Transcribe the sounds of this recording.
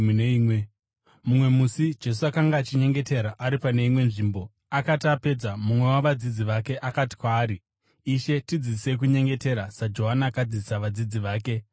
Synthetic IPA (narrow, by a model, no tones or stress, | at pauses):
neiːmwe | mumwe̞musid͡ʒe̞s̬uakaŋɡaːt͡ʃiɲe̞ŋɡe̞te̞ɾaʔaɾipane̞imwe̞nʐiːmbo̞ | akatiape̞d͡zamumwe̞waʋad͡zid͡ziʋake̞ʔakati̥kwaːɾiː | ʃe̞tid͡zise̞k̬uɲe̞ŋɡe̞te̞ɾasad͡ʒo̞ɦanaːkad͡zisaʋad͡zid͡ziʋaːke̞